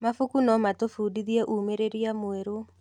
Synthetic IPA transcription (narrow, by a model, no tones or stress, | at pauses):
mafukunɔmatofuːdiðiɛʔumeɾeɾiamoeɾo